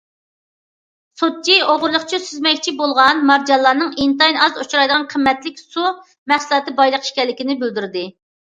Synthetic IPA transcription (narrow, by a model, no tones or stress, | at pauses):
sot̪̚t͡ʃʰioʁʊɾlˠʊχt͡ʃʰisyzmɛkʲt͡ʃʰibolˠʁɑnmɑɾd͡ʒɑlˠːɑːnɨŋint̪ɑjnɑzot͡ʃʰuɾɑjd̪əʁɑnqʰəmːɛt̪lɪkʲsu | mæχsɨlˠɑt̪ɨbɑjlˠəqʰə̥ʃkʲɛlːɪkʲinɪbyld̪yɾɪd̪ɪ